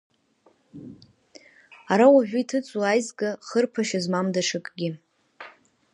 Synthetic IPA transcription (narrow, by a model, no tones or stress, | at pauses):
aɾawaʒᶣʷʊitʰɨt͡sʼuajzɡaχərpʰaʃazmamdaʂɨkʼɡʲɪ